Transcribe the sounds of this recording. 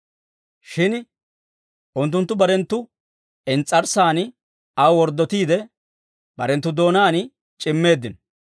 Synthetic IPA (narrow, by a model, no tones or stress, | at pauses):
ʃɪn | ʔʊnt̪ːʊnt̪ːʊbɐɾɛnt̪ːʊ | ɪnt͡sʼːɐɾsaːn | ɐwwɔɾd̪ːɔt̪iːd̪ɛ | bɐɾɛnt̪ːʊd̪o̞ːnaːn | t͡ʃʼɪmːe̞ːd̪ːɪn